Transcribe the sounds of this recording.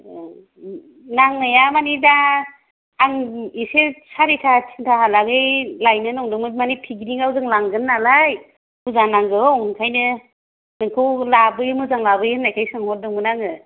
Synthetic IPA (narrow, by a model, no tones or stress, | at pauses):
naŋɯjamanidaː | ŋisesaɾitʰat͡ʃʰi̥ntʰaɦalaɡɯjlajnɯnɔŋdɯŋmɯmanipʰiɡiɾiŋawzɯŋlaŋɡɯnːalaj | muzanaŋɡɯɔwŋɯŋkʰajnɯ | nɯŋkʰɯwlabɯjɯmɯzaŋlabɯjɯnːajkʰajsɯŋhɔt̚dɯŋmɯnaŋɯ